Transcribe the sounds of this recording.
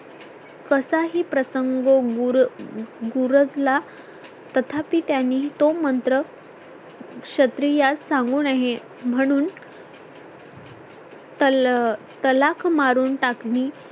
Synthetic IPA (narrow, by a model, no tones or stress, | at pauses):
kəsaɦiːpɾəsəŋɡoɡuɾɡuɾəd͡zla | t̪ət̪ʰapiːt̪janːiːt̪omənt̪ɾə | kɕət̪ɾijasːaŋɡuːnaɦe | m̤əɽ̃uːn | t̪ə | t̪əlakʰmaɾuːnʈakniː